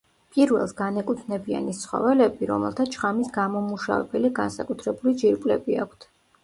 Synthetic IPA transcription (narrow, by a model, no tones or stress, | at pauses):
pʼiɾvɛlˠsɡanɛkʼut̪ʰnɛbia̰nist̪sʰχɔ̰vɛlɛbiɾɔ̰mɛ̰lˠt̪ʰat͡ʃʰχamisɡamɔmuʃa̰vɛ̰bɛliɡansakʼut̪ʰɾɛbulid͡ʒiɾpʼlɛ̰biakʷʰt̪ʰ